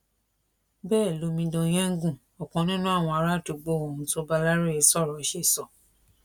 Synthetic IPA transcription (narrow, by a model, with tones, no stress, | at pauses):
bɛː˦˨lo˨˦mĩ˧dɔ̃˧j̃ɛ̃˦ŋ̩˦ɡũ˦˨ | ɔ˨kɔ̃˨˦nĩ˦nũ˦a˦˨w̃ɔ̃˧a˧ɾa˦˨to˨ɡ͡bo˦˨õ˨ũ˨˧to˧˦ba˧la˦ɾe˦ɛ˧˦sɔ˦˨ɾɔ˨˦ʃe˦˨sɔ˨